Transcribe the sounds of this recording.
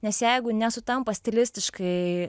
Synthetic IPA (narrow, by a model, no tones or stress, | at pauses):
nʲɛsjɛɪɡʊnʲɛsʊt̪ɐmpɐsʲt̪ʲɛlʲɪsʲt̪ʲɪʃkɐɪ